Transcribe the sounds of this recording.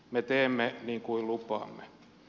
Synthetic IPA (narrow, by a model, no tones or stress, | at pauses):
met̪eːmːeniːŋkuillupɑ̰ːmːe